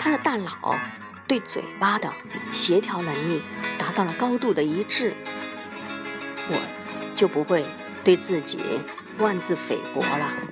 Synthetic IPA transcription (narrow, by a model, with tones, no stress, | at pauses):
t̪ʰa˥d̪ə˨t̪a˥˩nlɑ˨˩˦ʊ | t̪we˥˩ɪt͡swḛ˨˩ɪpa˥d̪ə˨ | ɕjɛ˧˥t̪ʰjɑ˧˥ʊnɤ˧˥ŋli˥˩t̪a˧˥t̪ɑ˥˩ʊlə˩kɑ˥ʊt̪u˥˩d̪ə˩i˧˥ʈ͡ʂɻ̩˥˩ | wɔ̰˨˩ | t͡ɕjo˥˩ʊpu˧˥xwe˥˧ɪ | t̪we˥˧ɪt͡sɹ̩˥˩t͡ɕḭ˨˩˦ | wa˥˧nt͡sɹ̩˥˩fḛ˨˩ɪpwɔ̰˧˥lə˧